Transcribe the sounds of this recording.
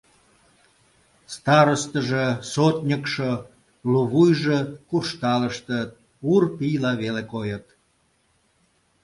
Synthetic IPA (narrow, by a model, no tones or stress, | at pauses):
st̪ɑɾəst̪əʒesot̪nʲəkʃo | luβujʒekuʃt̪ɑləʃt̪ət̪̚ | urpijlɑβelekojət̪